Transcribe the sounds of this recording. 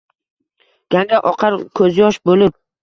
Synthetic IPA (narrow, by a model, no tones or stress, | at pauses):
ɡ̥ʲaŋɡʲaʔɒqʰɑɾkʰɵzjɒʃbolɪp̚